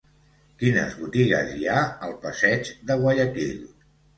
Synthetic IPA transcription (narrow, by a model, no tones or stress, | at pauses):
kinə̰zβut̪iɣə̰ziaəlˠpəsɛd͡ʒðəɣwəʎəkiʎ